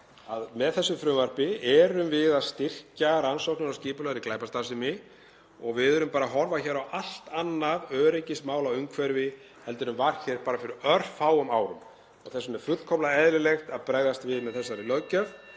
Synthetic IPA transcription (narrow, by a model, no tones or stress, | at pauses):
aðmɛðθɛsːʏfɾʏvaɾ̥pɪɛɾʏmvɪðaðst̪ɪr̥caɾansowhknʏɾawsciːpʏlœðɾiklaːjpast̪asɪmɪ | ɔɣvɪðʏɾʏmpaːɾaɦɔɾvaçɛːɾawʔal̥t̪anːaðœːɾecɪstmaːwlawʏŋkʰvɛɾvɪ | hɛlt̪ʏɾʏmvaɾ̥çɛɾ̥paːɾafɪɾɪɾœr̥faːwʏmaːwɾʏm | ɔ̰θɛsːʏnɛɾ̥fʏkʰɔplaɛðɾɪlext̪aðpɾaːɣðast̪vɪðmɛðθɛsːaɾɪlœɥcœv